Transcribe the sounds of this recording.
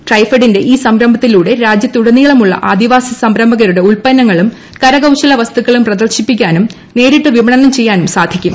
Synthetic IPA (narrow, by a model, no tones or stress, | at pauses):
ʈrɐjfɐɽinde̞ʔiːsɐmɾɐmbʱɐt̪ːiluːɽe̞ɾaːd͡ʑjɐt̪ːuɽɐnːiɣɐɭumuɭːɐ̰ʔaːd̪iʋaːsɐsɐmɾɐmbʱɐɣɐɾuɽe̞uɭpɐnːɐŋːɐɭum | kɐɾɐɡɐwɕɐlɐʋɐst̪ukːɐɭumprɐd̪ɐrɕipːik̬ʲːaːnum | ne̞ːɾiʈːɨʋibɐɳɐnɐmt͡ɕe̞jːaːnumsaːd̪ʱikʲːum